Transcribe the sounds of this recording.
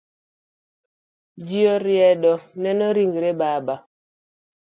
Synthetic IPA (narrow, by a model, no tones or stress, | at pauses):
d͡ʒiɔɾiɛɗɔnɛnɔɾiŋɡiɾebaːba